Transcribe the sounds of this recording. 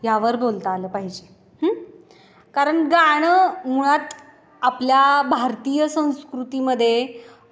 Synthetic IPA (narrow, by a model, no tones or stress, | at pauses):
jaʋəɾbolt̪əːləːpaɦid͡ʑe | h | kaɾəɳɡaɽ̃əmuɭat̪ | apljabʱaɾt̪ijəsə̃w̃skɾut̪iməd̪ʱːje